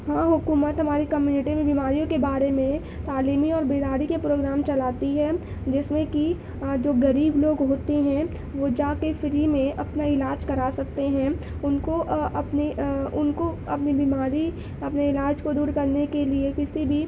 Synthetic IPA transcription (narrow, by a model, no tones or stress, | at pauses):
hãːɦʊkuːmət̪ɦɐmaːɾikɐmjuːnɪʈimẽbimaːɾijõkebaːɾemẽ | t̪aːliːmiɔːɾbeːd̪aːɾikepɾoːɡɾaːmt͡ʃɐlaːt̪iɦɛː | d͡ʒɪsmẽki | d͡ʒoːɣɐɾiːbloːɡɦoːt̪eɦɛ̃ | ʋod͡ʒaːkefɪɾimẽʔɐpnaɪlaːd͡ʒkɐɾaːsɐk̚t̪eɦɛ̃ | ʊnkoʔɐpniʊnkoɐpnibiːmaːɾi | ɐpneɪlaːd͡ʒkod̪uːɾkɐɾnekeliekɪsibʱi